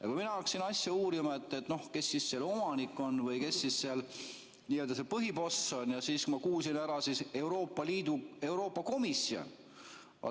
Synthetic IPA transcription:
jɑkujminɑɑksinɑsʲjɑuːɾimɑet̪ˑːet̪ːˑno̞hke̞sːisːelo̞mɑnikːˑo̞nvɤjke̞sːisseɑl | niːøld̪̥ɑse̞pɤɦipo̞sːo̞njɑsiːskumɑkuːs̬inæɾɑsise̞wɾo̞ːpːˑɑliːd̪̥ue̞wɾo̞ːpːˑɑko̞misːio̰n | ɑ̰

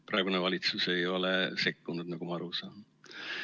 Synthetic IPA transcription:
pɾrɑeɡunevɑlʲit̪suse̞jo̞lese̞kːunud̪̥nɑɡ̥umɑɑɾusɑːn

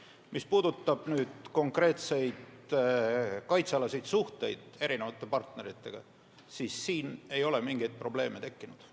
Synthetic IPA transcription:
mispuːd̪ut̪ˑːɑb̥nyːd̪̥ko̞ŋkre̞ːt̪se̞jd̪̥ | kɑjt̪seɑlɑsejd̪suht̪e̞jd̪̥e̞ɾinevɑt̪ːˑe̞pɑrt̪ne̞ɾit̪ːˑe̞ɡ̥ɑ̰ | siːsːiːne̞jo̞le̞miŋɡ̥ejd̪̚pro̞b̥le̞ːme̞t̪e̞kːinud̪̥

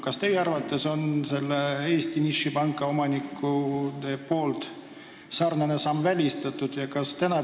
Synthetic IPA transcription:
kɑst̪e̞jeɑrvɑt̪ˑːe̞so̞nse̞lːee̞ːst̪iniʃːipɑŋkːˑɑo̞mɑnikˑːud̪epo̞ːlt̪ | sɑrnenesɑmːvælʲist̪ɑt̪ˑːud̪̥jɑkɑst̪ænɑ

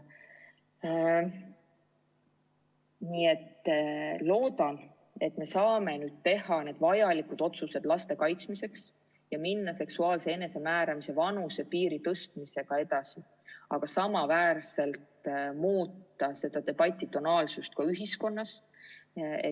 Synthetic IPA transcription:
nie̞t̪ | lo̞ːd̪̥ɑn | e̞t̪ːme̞sɑːme̞nyːd̪̥̚t̪e̞ɦɑne̞ːd̪̥vɑjɑlikud̪̥o̞t̪suse̞d̪̥lɑst̪e̞kɑjt̪smise̞ks | jɑminːɑse̞ksuɑːlse̞ene̞se̞mæːɾɑmise̞vɑnusepiːɾit̪ɤst̪̚mise̞ɡ̥ɑe̞d̪̥ɑsi | ɑ̰ɡ̥ɑsɑmɑvæːrse̞lt̪muːt̪ːɑse̞d̪̥ɑd̪e̞b̥ɑt̪ʲːˑit̪o̞nɑːlsust̪̚kɑyɦisko̞nːɑs | ḛ

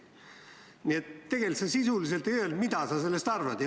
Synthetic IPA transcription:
niet̪ːe̞ɡ̥elsesisulis̬elt̪eøøld̪mid̪ɑsɑselːest̪ɑrvɑd̪j

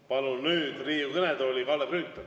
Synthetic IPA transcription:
pɑnunyːd̪̥riːjukɤned̪olʲikɑlːeryːt̪ːˑɑ

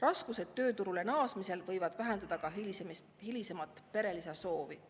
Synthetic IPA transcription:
rɑskuse̞t̪ːø̞ːt̪uɾulenɑːsmise̞lvɤjvɑd̪̥væɦe̞nd̪̥ɑd̪̥ɑkɑems | hilisemɑt̪ːˑpe̞ɾe̞liseso̞ːvi

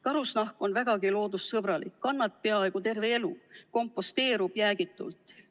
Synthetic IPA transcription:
kɑɾusnɑhko̞nvæɡ̥ɑɡilo̞ːd̪ussɤbɾɑlḭkːɑnːɑt̪̚pe̞ɑe̞ɡ̥ut̪e̞rve̞elṵko̞mpːˑo̞st̪e̞ːɾub̥jæːɡit̪ːˑṵlt̪ˑ

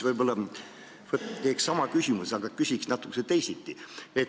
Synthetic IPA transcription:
vɤjbolːɑ | vot̪t̪eːkssɑmɑkysʲimusɑɡ̥ɑkysʲiksnɑt̪ːˑu̥kːeset̪e̞jsit̪ˑːiet̪

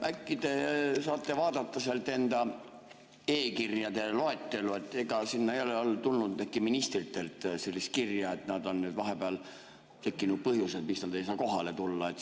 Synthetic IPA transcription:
ʔækːid̪e̞sɑːt̪ːˑe̞vɑːd̪ɑt̪ːɑselt̪ːˑe̞nd̪̥ɑ | eːkirjɑd̪e̞loet̪ːe̞lue̞t̪ːˑe̞ɡ̥ɑsinːɑejo̞leo̞lt̪ulnud̪ækːiminist̪rit̪ːˑe̞lt̪se̞lʲːist̪̚kirjɑe̞t̪nɑd̪o̞nːyːd̪vɑɦebeɑl | t̪e̞kːinud̪̚pɤhjused̪miksnɑd̪̥e̞js̬ɑːko̞ɦɑle̞t̪ulːɑet̪ː

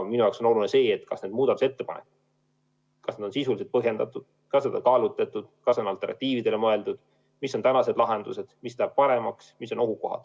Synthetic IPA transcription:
minujɑokso̞no̞lunese̞ːet̪ːkɑsne̞ːd̪muːd̪̥ɑd̪use̞t̪ːe̞pɑ̰nḛkːu | kɑsned̥̪o̞nsisulise̞t̪̚pɤɦje̞nd̪ɑt̪ːˑud̪̥ | kɑsed̪ɑ̰kɑːlut̪ːˑet̪ːˑud̪̥kɑso̞nɑlt̪ːˑe̞rnɑ̰t̪ːiːvid̪e̞le̞mɤe̞ld̪ud̪̥ | misːo̞nt̪ænɑse̞d̪lɑɦe̞nd̪̥use̞d̪̥mist̪ææb̥̚pɑɾe̞mɑksmisːo̞no̞ɦuko̞ɦɑ̰d̪̥

